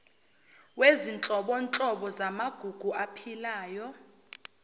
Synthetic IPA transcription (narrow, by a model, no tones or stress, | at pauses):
wezint͡ɬʼɔɓɔnt͡ɬʼɔɓɔzamaɡ̥ʱuɡ̥ʱuʔapʰilaːjɔ